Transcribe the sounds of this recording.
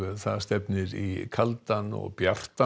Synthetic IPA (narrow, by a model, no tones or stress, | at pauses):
θaðst̪ɛpnɪɾikʰalt̪anɔ̰ɣpjar̥t̪a